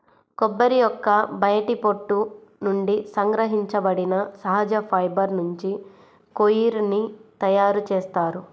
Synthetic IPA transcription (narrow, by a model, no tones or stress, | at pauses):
kɔbːɐɾijɔkːɐbɐjɐʈipoʈːunuɳɖisɐŋɡɾɐɦiɲt͡ʃɐbɐɽinɐsɐɦɐd͡ʒɐpʰɐjbɐɾnuɲt͡ʃi | kojiɾnit̪ɐjaːɾut͡ʃeːst̪aːɾu